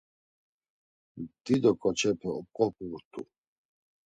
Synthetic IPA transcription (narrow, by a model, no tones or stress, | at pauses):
d̪̥id̪ɔkʼɔt͡ʃʰɛpʰɛɔp̚kʼɔp̚ʰut̪ʰʼṵ